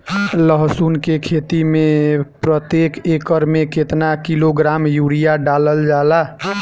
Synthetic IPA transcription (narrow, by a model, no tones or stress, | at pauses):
ləɦsunkekʰet̪imepɾət̪jekekəɾmeket̪nakiloɡɾamjuɾijaɖaləld͡ʒala